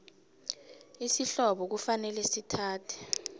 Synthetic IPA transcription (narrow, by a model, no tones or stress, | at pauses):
isiɬɔɓɔk̬ufanɛlɛsitʰaːtʰɛ̥